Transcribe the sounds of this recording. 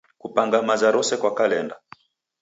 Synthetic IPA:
kupaŋɡamazaɾɔsɛkwakalɛnda

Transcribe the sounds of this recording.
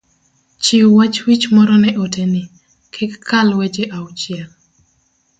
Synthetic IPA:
t͡ʃiwwat͡ʃwit͡ʃmɔɾɔnɛʔotʰeni | kʰɛkʰːalwet͡ʃeʔawt͡ʃɪɛl

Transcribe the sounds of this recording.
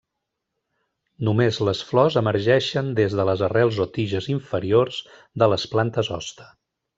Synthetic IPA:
numezləsflɔzəməɾʒɛʃənd̪ezðələzərɛlˠzot̪iʒəziɱfəɾiorz | d̪ələsplant̪əzɔ̰st̪ə̥

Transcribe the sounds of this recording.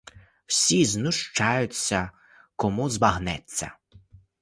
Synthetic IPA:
wsʲiznʊʃt͡ʃɑjʊt͡sʲːɐ | kɔmuzbɐɦnɛt͡sʲːɐ̰

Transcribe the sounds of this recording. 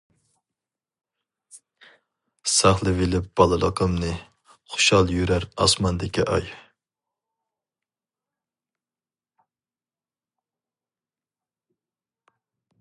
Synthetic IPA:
sɑχlˠɨvɪlɪp̚b̥ɑlˠɨlˠəqʰəmnɨ | χʊ̥ʃɑlˠjyɾæɾɑsmɑnd̪ɪkʲiʔɑ̰j

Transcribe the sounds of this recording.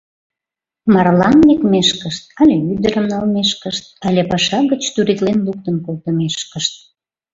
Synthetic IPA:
mɑrlɑnlekmeʃkəʃt̪̚ɑlʲeyd̪əɾəmnɑlmeʃkəʃt̪̚ɑlʲepɑʃɑɣət͡ɕt̪uɾit̪lenluk̚t̪ənkolt̪əmeʃkəʃt̪̚

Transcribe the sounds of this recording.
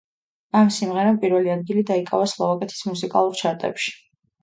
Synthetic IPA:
amsimʁɛɾampʼiɾvɛliad̪̚ɡilid̪aikʼavaslˠavakʼɛt̪ʰi̥smusikʼa̰lˠuɾt͡ʃʰaɾt̪ʼɛ̰pʃi̥

